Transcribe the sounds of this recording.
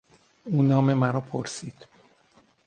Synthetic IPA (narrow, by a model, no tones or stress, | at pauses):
uːnɒːme̞mæɾɒːpʰoɾsiːd̪̥